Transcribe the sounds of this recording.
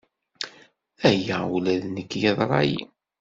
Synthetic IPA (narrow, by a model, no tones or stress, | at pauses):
æjæulæðnəkːjɑðˤɾˤɑ̰jḭ